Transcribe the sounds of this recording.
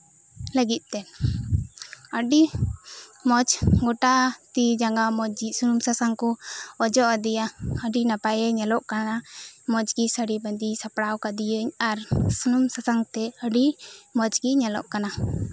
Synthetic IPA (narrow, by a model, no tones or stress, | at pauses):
ləɡit̪̚ˀt̪ɛ | əɖi | mɔt͡ʃɡɔʈat̪id͡ʒaŋɡamɔd͡ʒd͡ʒisunumsasaŋkɔɔd͡ʒɔʔəd̪ijaəɖinapajəɲɛlɔʔkanamɔd͡ʒɡisəɽibənd̪isapɽawkad̪ijəɲaɾsunumsasaŋt̪ɛəɖimɔd͡ʒɡiɲɛlɔ̰ʔkana